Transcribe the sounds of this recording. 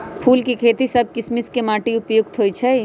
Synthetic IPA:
pʰuːlkikʰeːt̪isɐb̚kɪsmɪskemaːʈiʊpjʊk̚t̪ɦoːit͡ʃʰɛ

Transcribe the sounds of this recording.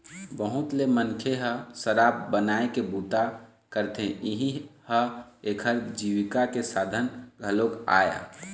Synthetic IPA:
bəɦut̪lemənkʰeɦəsəɾaːbbənaekebut̪a | kəɾt̪ẽiɦihəekʰəɾd͡ʒiʋikakesad̪ʱənɡʱəloka̰ːja̰

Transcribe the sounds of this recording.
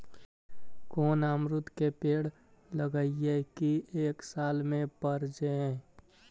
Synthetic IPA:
koːnaːmɾʊt̪kepeːɽ | ləɡəiekieːksaːlmẽpəɾd͡ʒəẽ

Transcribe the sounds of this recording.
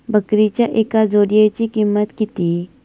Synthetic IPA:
bəkɾit͡ʃaʔeːkazoːɾijet͡ʃikimːət̪kit̪i

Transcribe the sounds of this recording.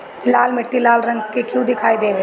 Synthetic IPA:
laːlmɪʈːilaːlɾɐ̃ŋɡkekjũd̪ɪkʰaːid̪eːʋe

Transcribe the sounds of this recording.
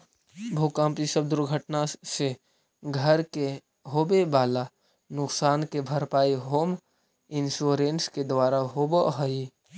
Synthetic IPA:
bʱoːkãːmpisəb̚d̪ʊɾɡʱəʈnase | ɡʱəɾke | ɦoːbebaːla | nʊksaːnkebʱəɾpaːiɦoːm | ɪnsuɾensked̪waːɾaɦobəʔɦəi

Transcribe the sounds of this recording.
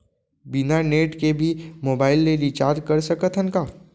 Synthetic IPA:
binaneːʈkebʱimoːbaːɪlːelit͡ʃaːɾd͡ʒkɐɾsɐkət̪ʰənkaː

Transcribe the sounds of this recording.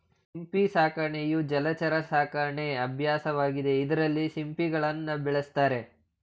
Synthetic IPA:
simpisaːkɐɾɐɳejud͡ʒɐlɐt͡ʃɐɾɐsaːkɐɾɐɳeɐbʱjaːsɐʋaːɡid̪e̞id̪ɐɾɐlːisimpiɡɐɭɐnːɐbɛɭest̪aːɾe̞

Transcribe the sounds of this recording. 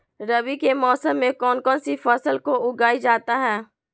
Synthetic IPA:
ɾɐbikemɔːsəmːẽkɔːnkɔːnsifɐsəlkoʊɡaːid͡ʒaːt̪aɦɛː

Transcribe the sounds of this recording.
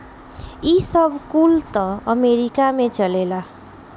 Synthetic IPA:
isʌbʱkult̪ʌəmeɾikamet͡ʃəlela

